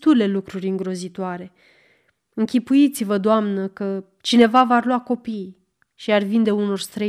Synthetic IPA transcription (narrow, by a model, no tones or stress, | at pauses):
t̪ule̞lukɾurʲɨŋɡɾo̞zit̪oaɾe̞ | ɨŋkʲipujit̪sivəd̪oamnəkə | t͡ʃine̞vavarluako̞pij | ʃiarvind̪e̞uno̞rst̪ɾə